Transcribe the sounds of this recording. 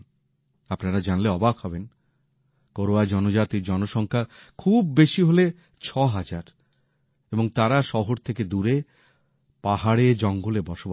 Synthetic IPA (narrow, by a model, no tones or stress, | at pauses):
apnaɾad͡ʑanleɔbakhɔben | koɾoad͡ʑɔnod͡ʑat̪iɾd͡ʑɔnoʃɔŋkʰakʰubːeʃiɦole | t͡ɕʰɔɦad͡ʑaɾ | eboŋt̪aɾaʃɔɦoɾt̪ʰeked̪uɾe | paɦaɽed͡ʑɔŋɡolebɔʃoba